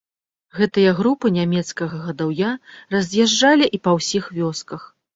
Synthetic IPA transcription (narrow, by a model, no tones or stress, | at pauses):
ɣɛt̪ɨjɐɣɾupɨnʲamʲɛt̪skɐɣɐɣɐd̪awjarɐzʲjaʐd͡ʐalʲiʔipɐwsʲixvʲɔskɐx